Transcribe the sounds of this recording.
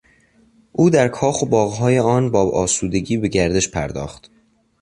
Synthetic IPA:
ʔuːd̪æɾkʰɒːxobɒːɣɦɒːjeɒːnbɒːɒːsuːd̪e̞ɟiːbe̞ɟæɾd̪e̞ʃpʰæ̰ɾd̪ɒ̰ːxt̪

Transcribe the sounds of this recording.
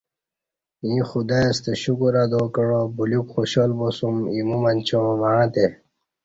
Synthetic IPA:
ĩxud̪ast̪eɕukuɾad̪okəɽobulukxoɕolbosumimumant͡ɕõmãːt̪e

